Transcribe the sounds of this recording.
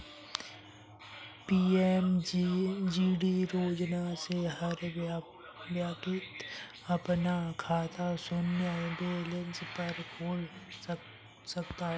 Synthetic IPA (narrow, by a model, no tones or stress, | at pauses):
piːɛm | d͡ʒiːɖiɾoːd͡ʒnaseɦɐɾ | bjaːkɪt̪ | ɐpnakʰaːt̪ʰasʊnjəbeːlɪnspɐɾkʰoːl | sɐk̚t̪aɦɛ